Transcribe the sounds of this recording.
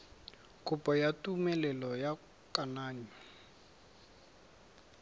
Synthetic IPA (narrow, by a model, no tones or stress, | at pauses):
kʼʊpʼɔjatʼumɛlɛlɔja | kʼanaːɲɔ